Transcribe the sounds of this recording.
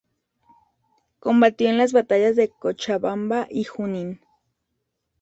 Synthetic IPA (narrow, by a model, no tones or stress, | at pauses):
kombat̪ioenlas̬βat̪ajazðekot͡ʃaβambaʔihunin